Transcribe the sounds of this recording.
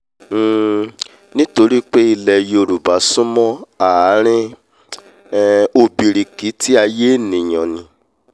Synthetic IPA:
nĩ˦to˧ɾi˦k͡pe˦i˧lɛ˧jo˧ɾu˨ba˨˦sũ˦mɔ̃˦a˨˦ɾ̃ĩ˦ | o˧bi˨ɾi˨ki˨˦ti˦a˧je˦˨nĩ˨j̃ɔ̃˨nĩ˧

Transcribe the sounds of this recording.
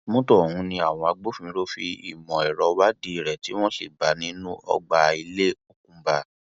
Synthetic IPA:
mõ˦tɔ˦˨ũ˨˧˦nĩ˧a˦˨w̃ɔ̃˧a˧ɡ͡bo˦fĩ˨˧˦ɾo˦fi˧ḭ˨mɔ̃˨ɛ˨ɾɔ˨˧wa˦di˧i˨ɾɛ˨ti˨˦w̃ɔ̃˦si˦˨ba˨˦nĩ˦nũ˦ɔ̰˧ɡ͡ba˧i˧le˦o˦k̚ũ˦ba˧

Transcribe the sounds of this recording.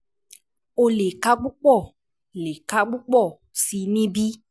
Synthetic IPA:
o˧le˨ka˧ɡ͡bu˦k͡pɔ˦˨ | le˨ka˧ɡ͡bu˦k͡pɔ˦˨ | si˧nĩ˦bi˦

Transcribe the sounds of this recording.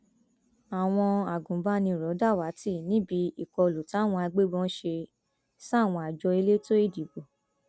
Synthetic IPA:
a˨w̃ɔ̃˧a˨ɡũ˨˦ba˦nĩ˧˨ɾɔ˨˦da˦˨wa˨˦ti˦˨nĩ˨˦bi˨˧˦i˦˨kɔ˧˨lu˨ta˦˨w̃ɔ̃˧a˧ɡ͡be˦ɡ͡bɔ̃˦ʃe˧ | sa˦˨w̃ɔ̃˧a˨d͡ʒɔ˧i˧le˦to˦i˦˨di˨bo˨

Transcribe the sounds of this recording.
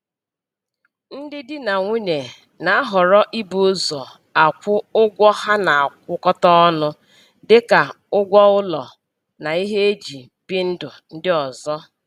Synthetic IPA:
n̩˦dɪ˦dɪ˦na˨ŋʷu˦ne˨ | na˨a˦ɦɔ˨ɾɔ˦ʔi˦bu˦zɔ˨ | a˨kʷʊ˦ʊ˦ɡʷɔ˦ha˦na˨a˨k̚ʷʊ˦kɔ˦tɔ˦ɔ˦nʊ˦ | dɪ˦ka˨ | ʊ˦ɡʷɔ˦ʊ˦lɔ̰˨ | na˨i˦ɦe˦e˦d͡ʒi˨ | bi˦n̩˦dʊ˨n̩˦dɪ˦ɔ˨zɔ˦

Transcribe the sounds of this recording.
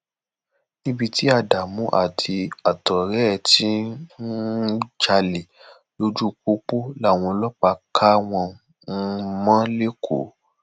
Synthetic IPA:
nĩ˦bi˧ti˦a˧˨da˨mũ˨˦ʔa̰˦˨tʰi˧a˨tɔ˨ɾɛ˨˦˨ti˦n˦d͡ʒa˧le˨ | lo˦d͡ʒu˦k͡po˦k͡po˦la˦˨w̃ɔ̃˧lɔ˦k͡pa˧kʰa˦w̃ɔ̃˧ | n̩˧mã˦le˦kʰo̰˨˦

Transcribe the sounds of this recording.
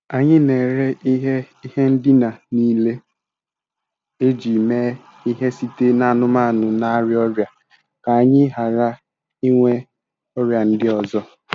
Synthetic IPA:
a˨ɲɪ˦ne˨ɾe˦ʔi˦ɦe˦ | i˦ɦe˦n̩˦dɪ˦na˨niː˦le˦ | e˦d͡ʒi˨me˦ | i˦ɦe˦si˦te˦na˨a˨nʊ˦ma˦˨nʊ˨na˦ɾɪ˦ɔ˦ɾja˨ | ka˨a˨ɲɪ˦ɦa˨ɾa˦ | i˦ŋʷe˦ | ɔ˦ɾja˨n̩˦dɪ˦ɔ˨zɔ˦

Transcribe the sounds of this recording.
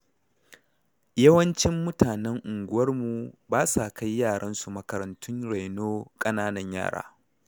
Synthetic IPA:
jɐ˦wɐ˦nt͡ʃɪ˦mːʊ˦taː˨nɛ˦ŋʔʊ˨ŋɡʷʊ˦wɐ˦rmu˨baː˦sa˨ka˦jjːaː˦˨ɽɐ˦nsu˨mɐ˨˦kɐ˨ɾɐ˨ntʰʊ˦nɽa˨jnoː˦kʼɐ˦naː˦nɐ˦ɲja̰ː˦˨ɽa̰ː˦

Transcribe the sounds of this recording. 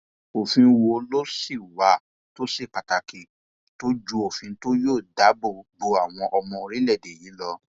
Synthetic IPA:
o˨fĩ˧˦˧wo˧lo˦si˦˨wa˨˦˨ | to˦si˦˨k͡pa˨ta˨ki˨ | to˦d͡ʒu˦o˨fĩ˧˦to˦joː˦˨da˨˦bo˦˨bo˧˦a˨w̃ɔ̃˧ʔɔ˧mɔ̃˧o˧ɾi˦lɛ˦˨de˨jĩ˨˦lɔ˧

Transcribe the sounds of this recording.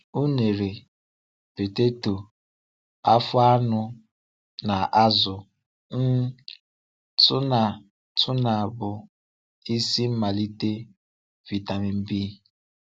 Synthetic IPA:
u˦ne˨ɾe˨ | pe˨te˦to˨ | a˦fʊ˦a˦nʊ˦ | na˨ʔa˦zʊ˨ | n̩˦ | tʊ˦na˨ | tʰʊ˦na˨bʊ˨ | i˦si˦m̩˦ma˨li˦te˦ | vi˨ta˨mɪ˨m̩˦bi˦

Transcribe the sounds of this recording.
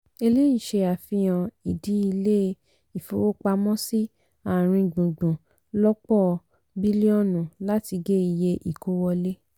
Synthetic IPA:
e˧le˦i˦˨ʃe˧a˨fĩ˧j̃ɔ̃˧i˨di˨˦i˧le˦˧ | i˨fo˨wo˦k͡pa˧mɔ̃˦si˦ | a˦˨ɾ̃ĩ˧ɡ͡bũ˨ɡ͡bũ˨ | lɔ˦k͡pɔ˦˨˧ | bi˦li˦ɔ˦˨nũ˨la˦ti˧ɡe˦i˨je˧ʔi˨ko˦wɔ˧le˦

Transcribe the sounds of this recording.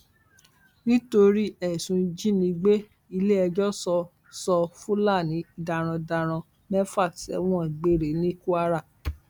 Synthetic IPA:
nĩ˦to˧ɾi˦ɛ˦˨sũ˧d͡ʒi˦nĩ˧ɡ͡be˦ | i˧le˦ɛ˧d͡ʒɔ˦sɔ˧ | sɔ˧fũ˦la˦˨nĩ˨˦da˨ɾ̃ɔ̃˧da˧ɾ̃ɔ̃˧ | mɛ˦fa˦˨ksɛ̰˨˦w̃ɔ̃˦ɛ˨ɡ͡be˦˨ɾe˨˦nĩ˦ku˦a˦ɾa˦˨

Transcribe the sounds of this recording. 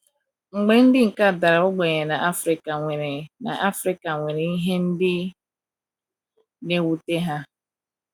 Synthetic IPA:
ŋ͡m̩˨ɡ͡be˦n̩˦dɪ˦ŋ̩˨ka˦˨da˨ɾa˨ʊ˦ɡ͡be˨ɲe˨na˨ʔa˦fɾi˨ka˨ŋʷe˨ɾe˨na̰˨ʔa˦fɾi˦ka˨ŋʷe˨ɾe˨i˦ɦe˦n̩˦dɪ˦ | ne˦wu˦te˦ɦa˦

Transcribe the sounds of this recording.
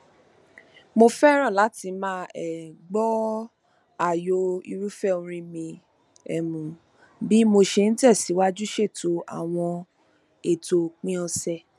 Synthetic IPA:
mo˧fɛ˦ɾ̃ã˦˨la˨˦ti˧mãː˦ɛ˨ɡ͡bɔ˦ | a˦˨jo˧ḭ˧ɾu˦fɛ˦o˧ɾ̃ĩ˧mĩ˧ | ɛ˨mũ˨ | bi˦mo˧ʃe˧ñ̩˦ti˦ɛ˦˨si˨˦wa˦d͡ʒu˦ʃe˦˨to˧˦a̰˦˨w̃ɔ̃˧ | e˨to˧k͡pĩ˦ɔ˧sɛ˧˨

